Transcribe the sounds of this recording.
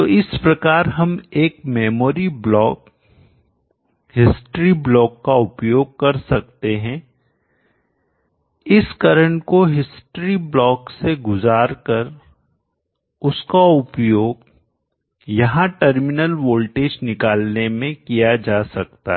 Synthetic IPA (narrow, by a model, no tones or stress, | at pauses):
t̪oɪspɾɐkaːɾɦɐmeːkmɛːmoːɾiblɔːk | ɦhɪsʈɾiblɔːkːaʊpjoːɡ̚kɐɾsɐk̚t̪eɦɛ̃ | ɪskɐɾəɳ̃koɦɪsʈɾiblɔːkseɡʊzaːɾkɐɾ | ʊskaʊpjoːɡ | jɐɦãʈɐɾmɪnəlʋoːlʈeːd͡ʒnɪkaːlnemẽkijad͡ʒaːsɐk̚t̪a̰ɦɛ